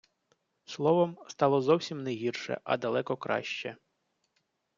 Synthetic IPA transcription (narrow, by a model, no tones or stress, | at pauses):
slˠɔʋɔmst̪ɑlˠɔzɔwsʲimnɛɦʲirʃɛ̰ʔɐ̰d̪ɐlˠɛkɔkɾɑ̰ʃt͡ʃɛ